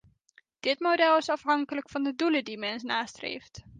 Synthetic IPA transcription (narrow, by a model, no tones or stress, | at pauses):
d̥ɪtmodɛlˠɪsɑfɦɑŋkələkfɑndədulədimɛnsnaːstrḛjft